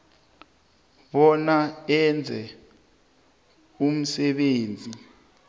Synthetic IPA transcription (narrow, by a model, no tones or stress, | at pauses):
ɓɔnaɛnd͡zʱɛ | um̩sɛɓeːnd͡zʱi